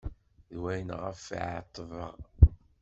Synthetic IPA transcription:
ðwæjənʁə̰fʕt̪ˤːəvə̰ʁ

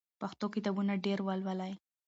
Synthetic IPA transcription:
paxt̪okit̪ɑbunaɖeɾwalwalaj

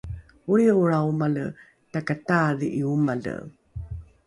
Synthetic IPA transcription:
uɾiuɾaumalə | takataðiʔiumalə̰

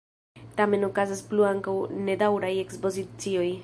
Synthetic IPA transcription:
tame̞nokazaspluaŋkawne̞dawɾaje̞kspo̞zit͡sio̞j

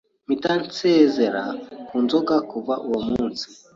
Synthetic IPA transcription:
mitant͡sezeɾa̰kunzoɡakuvaʔuwomuːnsi̥

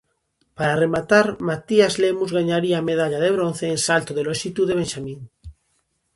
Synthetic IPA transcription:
paɾaremat̪aɾmat̪iazlemuzɣaɲaɾiaːmeð̞aʎaðeβ̞ɾon̟θeːnsalt̪oðeloʃit̪uðeβenʃamĩŋ

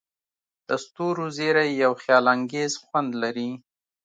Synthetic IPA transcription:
d̪̥əst̪oɾozeɾajjawxjɑlaŋɡezxwand̪laɾi

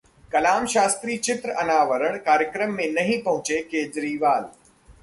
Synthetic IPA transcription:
kɐlaːmʃaːst̪ɾiːt͡ʃɪt̪ɾəʔɐnaːʋəɾəɳ̃kaːɾjəkɾəmːẽnɐɦĩpɐɦʊ̃t͡ʃekeːd͡ʒɾiːʋaːl

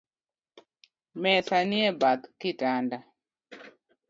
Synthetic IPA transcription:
mɛθanɪɛbakːɪtanda

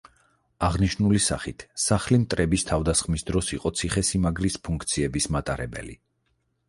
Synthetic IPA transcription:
aʁniʃnulisa̰χit̪ʰsaχlimt̪ʼɾɛbist̪ʰavd̪asχmisd̪ɾɔsiqʼɔt̪sʰiχɛsimaɡɾispʰuŋkʰt̪sʰiɛbismat̪ʼaɾɛbɛ̰lḭ

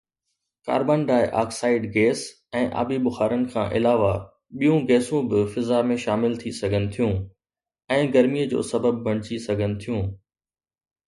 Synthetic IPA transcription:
ka̰ːɾbənɖaːɪʔa̰ːksaːɪɖɡɛːs | ɛ̃ːʔa̰ːbibʊxaːɾənɪ̆kʰãːʔɪ̰laːʋa | ɓijũɡɛːsũbɪfɪzamẽʃaːmɪlt̪ʰisɐɡʱənɪ̆t̪ʰijũ | ɛ̃ːɡɐɾmiəd͡ʑo̰ːsɐbəbːʱɐɽ̃ɪt͡ɕisɐɡʱənɪ̆t̪ʰijũː

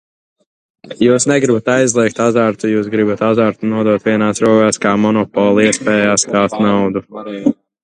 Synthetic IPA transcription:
juːsnɛɡɾibat̪ajzlˠiɛk̚t̪azaɾt̪ujuːsɡɾibat̪azaɾt̪unuɔd̪uɔt̪viɛnaːsɾuɔɡaːskaːmɔnɔpɔːlˠiɛspɛːjaːsk̪aːst̪nawd̪u

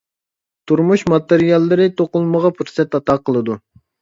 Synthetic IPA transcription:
t̪ʰuɾmuʃmɑt̪eɾijɑlˠːɨɾɨt̪ʰoqʊlˠməʁɑpʰyɾsɛt̪ɑt̪ɑqʰəlˠɨd̪u

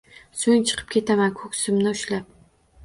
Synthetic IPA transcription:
sʊŋt͡ʃʰɨ̥qʰɨ̥p̚kʲʰe̞t̪ʰamankʰɵkʲsɪmnɪʊʃlap̚

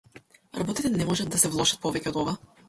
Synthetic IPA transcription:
ɾabɔt̪it̪ɛnɛmɔʒad̪̚asɛvlˠɔʃat̪̚pɔvɛcʲɛɔd̪ɔva

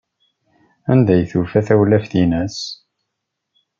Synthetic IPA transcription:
ænd̪æjθufæθæwlæfθinæs

